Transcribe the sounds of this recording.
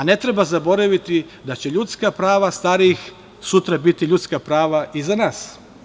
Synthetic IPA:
ane̞t̪ɾebazabo̞ɾaʋit̪i | d̪at͡ɕe̞ʎut̪skapɾaːʋast̪aːɾix | sut̪ɾabit̪iʎut̪skapɾaːʋaʔizanaːs

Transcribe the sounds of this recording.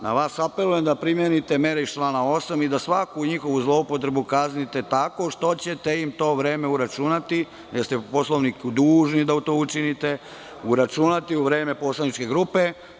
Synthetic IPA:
na̰ʋaːsape̞luje̞md̪apɾimjenit̪e̞meɾeiʃt̪lanao̞samid̪asʋakuɲixo̞ʋuzlˠo̞upo̞t̪̬ɾe̞bukaznit̪e̞t̪ako̞ʃt̪o̞t͡ɕet̪eimt̪o̞ːʋɾeːme̞uɾat͡ʃunat̪i | jest̪epo̞sloʋnikud̪uːʒnid̪aut̪oːut͡ʃinit̪e̞ | uɾat͡ʃunat̪iuʋɾe̞ːme̞po̞ːslˠanit͡ʃke̞ɡɾupe̞

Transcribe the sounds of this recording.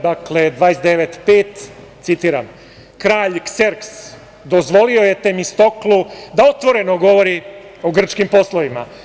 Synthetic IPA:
d̪akle̞d̪ʋaːjesd̪e̞ʋet̪peːt̪t̪sit̪iːɾa̰m | kɾaːʎkseɾks | d̪o̞zʋo̞lio̞je̞t̪emist̪o̞klud̪ao̞t̪ʋo̞ɾe̞no̞ɡo̞ʋo̞ɾi | o̞ɡr̩t͡ʃkimpo̞slˠoʋima̰

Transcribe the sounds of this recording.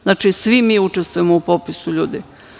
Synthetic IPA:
znat͡ʃisʋimiut͡ʂest̪ʋujemoupopisuʎuːd̪i

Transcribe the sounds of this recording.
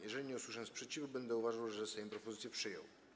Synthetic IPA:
jɛʐɛlʲiɲɛuswuʂaɲɛ̃spʂɛt͡ɕivubɛnd̪ɛuvaʐawʐɛsɛjɔ̃pɾɔpɔzɘt̪sʲjɛpʂɘjɔ̰w

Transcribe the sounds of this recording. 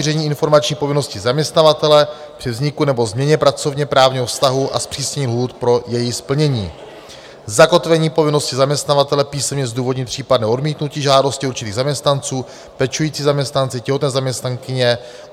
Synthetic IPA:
irɛɲiːɪnfo̞ɾmat͡ʃɲiːpo̞vɪno̞scɪzamɲɛst̪navat̪ɛlɛ | pr̥ɪvzɲɪkunɛbo̞zmɲɛɲɛpɾat͡so̞vɲɛpɾaːvɲiːɦofst̪aɦuʔa̰spr̥iːsɲɛɲiːmɦuːt̪pɾo̞jɛjispl̩ɲɛɲḭː | zako̞t̪vɛɲiːpo̞vɪno̞scɪzamɲɛst̪navat̪ɛlɛpiːsɛmɲɛzduːvo̞dɲɪt̪̚pr̥iːpadnɛːʔo̞dmiːt̪nuciːʒaːdo̞scɪuɾt͡ʃɪt̪iːɣzamɲɛst̪nant͡suː | pɛt͡ʃujiːt͡siːzamɲɛst̪nant͡sɪcɛɦot̪nɛːzamɲɛst̪naŋkɪɲɛ

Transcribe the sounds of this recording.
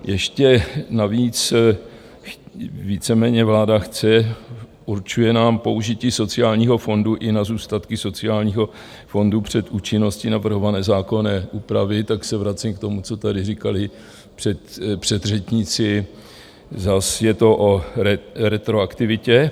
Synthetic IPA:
jɛʃcɛnaviːt͡s | viːt͡sɛmɛːɲɛvlaːdaxt͡sɛʔuɾt͡ʃujɛnaːmpo̞uʒɪciːso̞t͡sɪjaːlɲiːɦo̞fo̞nduʔɪnazuːst̪at̪kɪso̞t͡sɪaːlɲiːɦo̞ | fo̞ndupr̝̥ɛt̪ʔuːt͡ʃɪno̞scɪnavr̩ɦo̞vanɛːzaːko̞nɛːʔuːpɾavɪt̪aksɛvɾat͡sɪmkt̪o̞mut͡so̞t̪adɪrikalɪ | pr̥ɛt̪pr̝̥ɛd̪r̝ɛt͡ʃɲɪt͡sɪ | zasjɛt̪o̞ʔoɛɾɛt̪ɾo̞akt̪ɪvɪcɛ

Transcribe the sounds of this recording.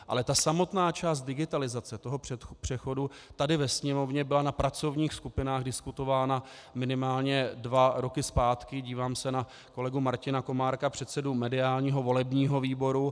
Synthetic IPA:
ʔa̰lɛt̪asamo̞t̪naːt͡ʃaːs̬t̪̚dɪɡɪt̪alɪzat͡sɛt̪oɦo̞pr̥ɛxo̞dut̪adɪvɛsɲɛmo̞vɲɛbɪlanapɾat͡so̞vɲiːxskupɪnaːɣdɪskut̪o̞vaːna | mɪnɪmaːlɲɛdvaɾo̞kɪspaːt̪kɪɟiːvaːmsɛna | ko̞lɛɡumaɾcɪnako̞maːɾkapr̝̥ɛt̪sɛdumɛdɪaːlɲiːɦo̞vo̞lɛbɲiːɦo̞viːbo̞ɾu

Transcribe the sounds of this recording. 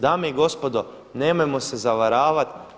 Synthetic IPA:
d̪aːmeiɡo̞spod̪o | neːmojmosezaʋaɾaːʋat̪

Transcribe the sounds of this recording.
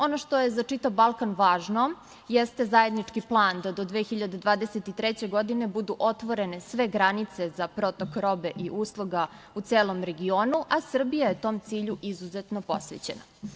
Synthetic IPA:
o̞noʃt̪o̞je̞zat͡ʂit̪avbalˠkanʋaːʒno̞ | jest̪e̞zaje̞d̪nit͡ʂkiplˠaːnd̪ad̪o̞d̪ʋexiʎad̪ed̪ʋaːd̪eset̪it̪ɾet͡ɕe̞ɡo̞d̪ine̞bud̪uʔo̞t̪ʋo̞ɾe̞ne̞sʋe̞ɡɾanit̪se̞zapɾo̞t̪okɾo̞be̞ʔiʔuslˠuɡa | ut̪seːlo̞mɾe̞ɡio̞ːnuʔasr̩bijaje̞t̪o̞ːmt̪siːʎuʔizuzet̪no̞po̞̰sʋḛt͡ɕena̰

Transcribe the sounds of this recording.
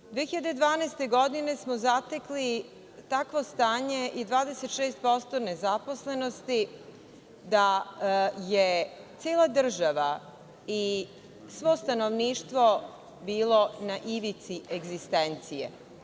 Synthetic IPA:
d̪ʋeːxiʎad̪ed̪ʋaːnaest̪e̞ɡo̞d̪ine̞smozat̪e̞kli | t̪akʋo̞st̪aːɲe̞ʔid̪ʋaːd̪ese̞t̪ʃeːst̪̚po̞st̪one̞zapo̞sle̞no̞st̪i | d̪a | jet̪sjeːlad̪r̩ʒaʋa | i | sʋo̞ːst̪ano̞ʋniːʃt̪ʋo̞ | biːlˠo̞naʔiʋit̪siʔeɡzist̪ent̪sijḛ

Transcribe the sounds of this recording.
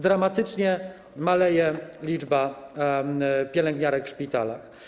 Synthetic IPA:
d̪ɾamat̪ɘt͡ʂɲɛ | malɛjɛlʲid͡ʐba | pʲjɛlɛŋɡɲaɾɛkfʂpʲit̪a̰la̰x

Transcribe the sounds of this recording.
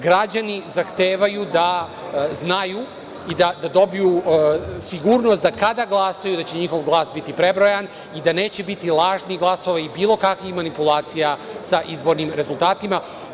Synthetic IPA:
ɡɾad͡ʑanizaxt̪eːʋajud̪a | znaju | id̪ad̪ad̪o̞biju | siɡuːɾno̞st̪d̪akad̪aɡlˠasajud̪at͡ɕe̞ɲixo̞ʋɡlˠaːsbit̪ipɾe̞bɾojan | id̪ane̞ːt͡ɕe̞bit̪ilˠaːʒniɡlˠasoʋaibiːlˠo̞kakʋixmanipulˠaːt̪sijasaʔizbo̞ɾnimɾe̞zulˠt̪aːt̪ima

